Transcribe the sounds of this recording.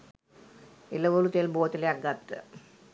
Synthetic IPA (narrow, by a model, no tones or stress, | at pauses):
ilɐʋolut̪elboːɐt̪ːileɐɡɐt̪ːɨ